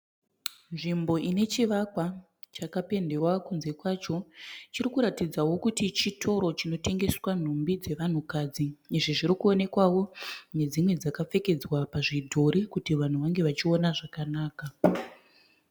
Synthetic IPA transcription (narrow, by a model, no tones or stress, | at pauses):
nʐimbo̞ʔine̞t͡ʃiʋakwa | t͡ʃakape̞nde̞rwakunze̞kwat͡ʃo̞t͡ʃiɾikuɾatid͡zawo̞kutit͡ʃitʰo̞ɾo̞t͡ʃino̞te̞ŋɡe̞swan̤umbid͡ze̞ʋan̤ukad͡ziːʐiʐiɾikuo̞ne̞kwawo̞ne̞d͡zimwe̞d͡zakap͡fe̞ke̞d͡zwapaʐidʱo̞ɾikutiʋan̤uʋaŋɡe̞ʋat͡ʃio̞naʐakanaːka